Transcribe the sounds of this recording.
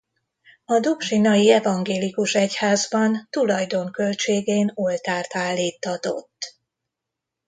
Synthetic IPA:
ɒd̪ukʃinɒjiɛvɒŋɡeːlikuʃɛchaːzbɒnt̪ulɒjd̪o̞ŋkø̞lt͡ʃeːɡeːno̞lt̪aːrt̪aːlːiːt̪ːɒt̪o̞̰t̪ː

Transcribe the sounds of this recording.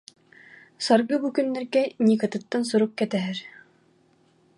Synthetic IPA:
saɾɡɯbukynːɛɾɡɛnikat̪ɯt̪ːans̬uɾuk̚kɛt̪ɛɦɛɾ

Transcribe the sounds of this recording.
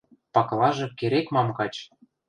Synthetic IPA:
pɑklˠɑʒɤ̆keɾekmɑmkɑt͡ɕ

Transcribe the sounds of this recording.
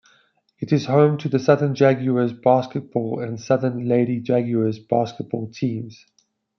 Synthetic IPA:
ɪtɪz̥hõʊ̃mtʰəðəsʌðə̃nd͡ʒæɡjuəzbɑˑskət̚b̥ɔːlə̃nsʌðə̃nleɪɾid͡ʒaɡjuəzb̥ɑˑskət̚b̥ɔːlˠtʰĩːmz̥

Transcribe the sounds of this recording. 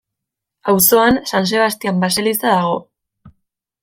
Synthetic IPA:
awso̞ansans̬e̞βast̪iambaselisaðaɣ̞o̞

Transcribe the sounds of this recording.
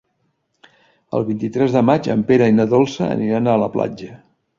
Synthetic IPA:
ə̰lˠβint̪it̪ɾɛzðəmat͡ʃə̰mpeɾəinəðolˠsəə̰niɾanaələpla̰d͡ʒə

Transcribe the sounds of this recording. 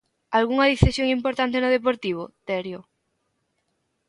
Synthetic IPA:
alɣuŋɐðiθesjoŋimpoɾt̪ant̪enʊð̞ep̬oɾt̪iβ̞ʊ̰t̪ɛɾjo

